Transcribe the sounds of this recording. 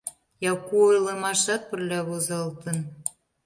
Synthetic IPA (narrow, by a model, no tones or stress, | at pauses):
jɑkuojlemɑʃɑt̪̚pə̆rlʲɑβozɑlt̪ə̆n